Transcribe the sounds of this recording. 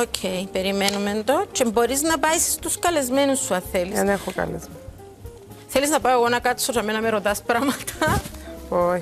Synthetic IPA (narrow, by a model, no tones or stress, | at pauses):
ocʰejpe̞ɾime̞numend̪o̞t͡ʃembo̞ɾiznɐpɐjsst̪uskɐle̞zme̞nusːuɐθelisɐnexokɐ̰lezme | θe̞liznɐpaoɣo̞nɐkɐt̪t͡sːosɐme̞nɐmeɾot̪ɐspɾamɐt̪ɐ | o